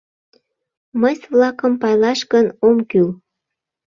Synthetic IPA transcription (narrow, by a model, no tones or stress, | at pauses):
məsβlɑkəmpɑjlɑʃkənomkyl